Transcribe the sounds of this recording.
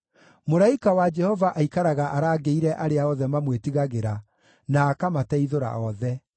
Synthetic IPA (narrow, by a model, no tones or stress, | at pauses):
moɾaikawad͡ʒɛhɔvaʔaikaɾaɣaʔaɾaːɡeiɾɛʔaɾeaɔðɛmamwetiɣaɣeɾa | naːkamatɛiðoɾa̰ɔðɛ